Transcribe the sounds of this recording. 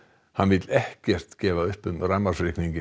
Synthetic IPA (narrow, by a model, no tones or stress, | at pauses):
hanvɪt̪lɛhcɛr̥t̪cɛːvaʏhpʏmramarsɾɪhkniɲcɪ